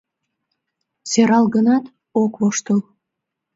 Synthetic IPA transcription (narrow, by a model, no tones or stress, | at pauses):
seɾɑlɣənɑt̪ | okβoʃt̪əl